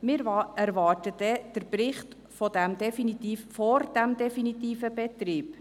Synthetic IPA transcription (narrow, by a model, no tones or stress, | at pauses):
mɪɾæɾʋɑːtədɛd̥əɾprɪχt | fɔdæmd̪ɛfinit̪iːffɔɾd̥æmdɛfinit̪iːfəbɛt̪riːp